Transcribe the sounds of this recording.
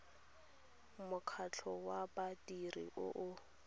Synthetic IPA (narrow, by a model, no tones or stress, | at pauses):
mʊkʰat͡ɬʰɔwabatirḭʔʊ̰ʔʊ